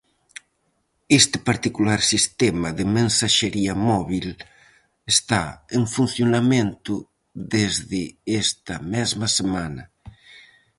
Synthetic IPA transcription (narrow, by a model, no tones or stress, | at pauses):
est̪ɪ̥paɾt̪ikulaɾsist̪ɛmaðemẽnsaʃeɾiɐmɔβil | est̪aeŋfun̟θjonamẽnt̪ʊ | ðezðɪest̪ɐmɛzmɐsemanɐ